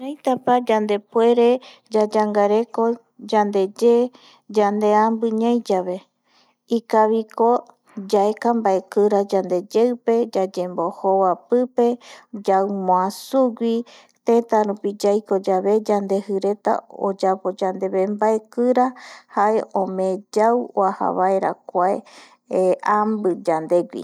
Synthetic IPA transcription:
ɾajt̪apad͡ʒand̪e̞pwe̞ɾe̞ | d͡ʒad͡ʒaŋɡaɾe̞ko̞ | d͡ʒand̪e̞d͡ʒe | d͡ʒand̪e̞ambɨɲãjd͡ʒaβe̞ | ikaβiko | d͡ʒaekambae̞kɨɾad͡ʒand̪e̞d͡ʒewpe̞d͡ʒad͡ʒe̞mbo̞hoβapɨpe̞d͡ʒawmõãsuɡʷi | t̪ẽt̪aɾupid͡ʒajko̞d͡ʒaβe̞d͡ʒand̪e̞hɨɾe̞t̪a̰o̰d͡ʒapo̞d͡ʒand̪e̞βembae̞kɨɾahae̞ʔõmẽd͡ʒawwaha̰βaeɾa̰kʷae | ambɨd͡ʒand̪e̞ɡʷḭ

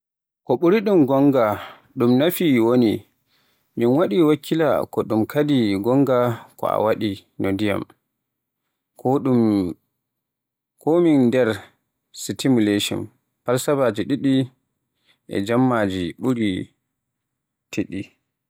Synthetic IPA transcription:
kɔɓuɾiɗumɡɔŋɡa | ɗumnafiwoni | minwaɗiwakʰːila̰kɔɗumkadiɡɔŋɡakɔ̰a̰waɗinodija̰m | ɗum | kɔmindɛɾ | sitimuleʃɔ̰n | paɾsabad͡ʒiɗiɗi | ʔɛ̰d͡ʒamːad͡ʒiɓuɾi | tʰiɗi

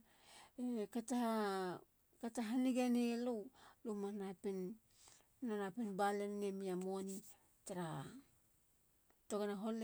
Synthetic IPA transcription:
ekata | kataɦaniɡanelowlumanapenː | anapenbalenːemiamoni | taɾa | toɡanaɦole

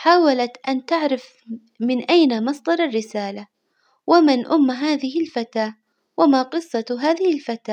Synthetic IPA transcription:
ħaːwalat̪ʔant̪aʕɾɪf | mɪnʔajnamɑsˤd̪ˤɑɾˤɑrːɪsaːla | wamɪnʔʊmːɦaːðɪhɪlfat̪aː | wamaːqɨsˤːɑɦaːðɪhɪlfat̪aː

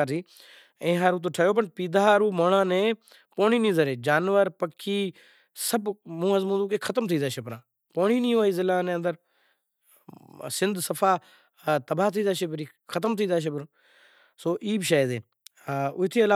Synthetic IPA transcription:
ɾiː | ẽːɦaːɾuːt̪̬oːʈʰəjoːp̬əɳpiːd̪aːɦaːɾuːmoːɳãːnẽː | poːɳiːnĩːzəɾeːd͡ʒaːnʋəɾpəkʰːiː | səbmũːəzmũːd̪uːkeːkʰət̪əmt̪ʰiːd̪aːʃəpɾãː | poːɳiːnĩːʋaːiːzɪlaːnẽːnd̪əɾ | sɪnd̪səfʰaː | t̪əbaːt̪ʰiːd̪aːʃepɾiː | kʰət̪əmt̪ʰiːd̪aːʃ̬əp̬ɾãː | soːʔiːbʃaːd̪ẽː | ʊɦɪt̪ʰeːəlaː

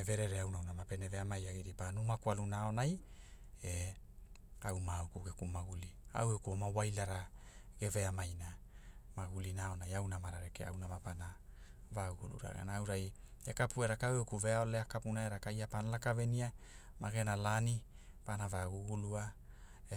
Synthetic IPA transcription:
eve̞ɾeɾeawnawnamape̞neve̞amajaɡiɾipanumakwalunao̞naj | e | awmaukuɡekumaɡulia̰wekuomawajlaɾaɡ̥e̞ve̞amajnamaɡulinaːo̞najawnamaɾaɾekḛa̰wnavapana | vaɡuɡṵlṵɾa̰ɡa̰naːwɾaj | ekapueɾakawekuve̞ao̞leakapunaeɾakajapanalakave̞nia | maɡe̞nalanipanavaɡuɡuluae

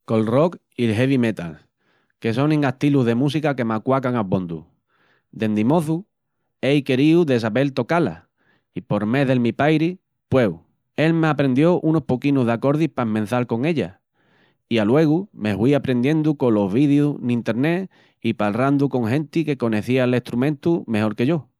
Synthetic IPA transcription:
ko̞lro̞k | ilɦeβime̞t̪a̰l | ke̞so̞neŋaht̪iluðe̞musikake̞makwakaŋaβo̞nd̪ṵ | d̪e̞nd̪imo̞θu | e̞jke̞ɾiuðesaβe̞lt̪o̞kala̰ | ipo̞ɾme̞ðe̞lmipajɾi | pwe̞w | e̞lmeapɾe̞nd̪jo̞ʔuno̞hpo̞kinuɦðako̞ɾðihpaemẽ̞n̟θalko̞ŋe̞ʎa | ialwe̞ɣ̞ume̞hwiapɾe̞nd̪je̞nd̪uko̞lo̞ɦβiðjunĩnt̪e̞ɾne̞ | ipalrand̪uko̞ŋɦẽ̞nt̪ike̞ko̞ne̞θiale̞ht̪ɾumẽ̞nt̪ume̞ho̞ɾke̞ʝo

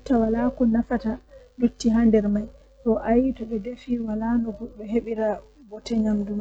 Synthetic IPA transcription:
tːawalakɔnafatadutːiɦandɛɾmaj | tɔʔajitɔɓɛdefiwalanɔɡɔɗɛɦeɓiɾa | bɔtɛɲamduma

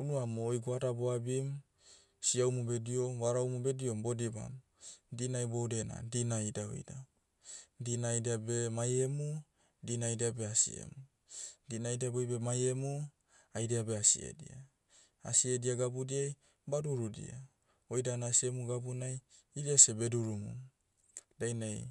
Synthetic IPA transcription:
unuamoːjɡuadaboabim | siawmubediomwaɾawmubediombodiba̰m | dinajbowdena̰dinaidaβḛjda | dinajdiabemajemu | dinaidiabeasḭḛmu | dinajdiabojbemajemu | ajdiabeasḭḛdḭa | a̰siediaɡabudiaj | baduɾudḭa̰ | ojdanasiemuɡabunaj | idiasebe̞duɾumṵ | d̥ajnaj

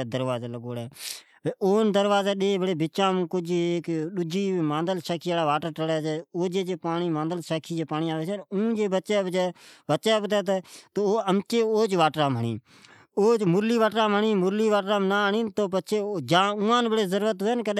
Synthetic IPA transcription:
d̪əɾʋaːzaːləɡoːɽɛː | oːnd̪əɾʋaːzeːɗeːbəɽeːbɪt͡ʃãːmːkʊd͡ʒeːkɗʊd͡ʒiːmãːnd̪əlʃaːkʰiːaːɽaːʋaːʈəɾʈəɽɛːt͡ʃɛːoːd͡ʒeːd͡ʒeːpaːɳiːmãːnd̪əlʃaːkʰiːd͡ʒeːpaːniːaːʋeːsʰenũːd͡ʒeːbəːt͡ʃɛːbd͡ʒɛːʋəʃɛːpt̪ɛːt̪̬ːt̪oːəmt͡ʃeːoːt͡ʃʋaːʈɾãːməɳḭː | oːt͡ʃmʊɾliːʋaːʈɾãːməɳĩːmʊɾliːʋaːʈɾãːmnaːɳĩːnt̪oːpət͡ʃʰeːd͡ʒãːʊ̃ːãːnbəɽeːzəɾuːɾət̪ɦeːnkəɗ

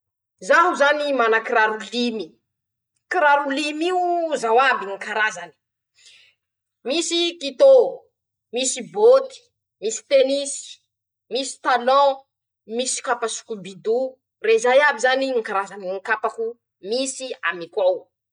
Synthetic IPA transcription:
zaɦuzanimanakiɾaɾulimi | kiɾaɾulimiuzawabiŋikaɾazani̥ | misikit̪o | misibot̪i̥ | misi̥t̪enisi̥ | misi̥t̪alɔ̃ | misi̥kapasu̥kubid̪u | rezajabizaniŋikaɾazaniŋikapaku | misia̰mikwaw

